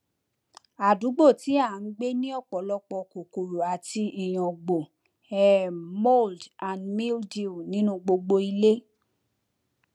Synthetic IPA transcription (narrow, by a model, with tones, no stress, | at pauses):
a˨du˨˦ɡ͡bo˦˨ti˨˦a˦˨n̩˦ɡ͡be˦nĩ˦ɔ˦˨k͡pɔ˨˦lɔ˧k͡pɔ˧ko˨ko˨ɾu˨a˨ti˧i˨j̃ɔ̃˨ɡ͡bo˨ | ɛ˨mo˦˨ldã˨ndmi˦ldi˦˨nĩ˨˦nũ˦ɡ͡bo˧ɡ͡bo˧i˧le˦